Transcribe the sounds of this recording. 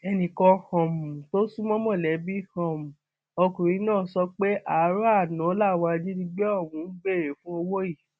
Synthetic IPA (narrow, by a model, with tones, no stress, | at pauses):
ɛ˧nĩ˨kɔ˧hɔ̃˨mũ˨to˦sũ˦mɔ̃˦mɔ̃˦˨lɛ˨˦bi˦hɔ̃˨mũ˨ | o˧kũ˨ɾĩ˨˦nãː˦˨sɔ˧˦k͡pe˦ʔa˨˦ɾu˦a˦˨nã˨˦la˦˨wa˧di˦dĩ˦ɡ͡bɛ˦ɔ˦˨wũ˨˦ɡ͡be˦˨ɾe˨fũ˦o˧wo˦ji˦˨